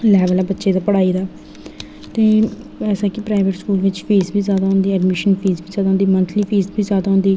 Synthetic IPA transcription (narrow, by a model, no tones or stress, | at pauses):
lɛːʋəlaːbətːʃeːd̪aːpəɽaːiːd̪aː | t̪eːɛːsaːkɪpɾaːɪʋəʈskuːlʋɪt͡ʃfʰiːzbiːzjaːd̪aːɦʊ̃nd̪iːɛɖmɪʃənpʰiːzbiːzjaːd̪aɦʊnd̪iːmə̃nt̪ʰliːpʰiːsbʱiːzjaːd̪aːɦʊ̃nd̪iː